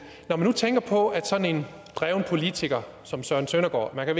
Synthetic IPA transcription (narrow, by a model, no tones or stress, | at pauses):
nɒmænːut͡sʰeŋɡ̥ɐpʰɒ̽æd̥sɒ̽ne̝n | d̥ʁɛʊnəpʰo̝lit͡sʰiɡ̥ɐ | sɒ̽msɶɐn̩sønɐɡ̥ɒ̰ːmænkʰæʋe